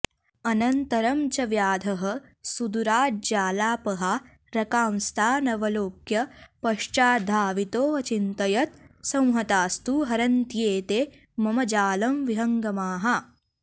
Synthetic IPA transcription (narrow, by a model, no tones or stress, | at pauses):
ɐnɐnt̪ɐɾɐmt͡ʃɐʋjaːd̪ʱɐɦɐ̆sud̪uɾaːd͡ʒaːlaːpɐɦa | ɾɐkaːmst̪ʰaːnɐʋɐloːkjɐpɐʃt͡ʃaːd̪ʱaːʋit̪oːɐt͡ʃint̪ɐjɐt̪̚sɐ̃w̃ɦɐt̪aːst̪uɦɐɾɐnt̪jeːt̪eː | mɐmɐd͡ʒaːlɐmʋiɦɐŋɡɐmaːɦɐ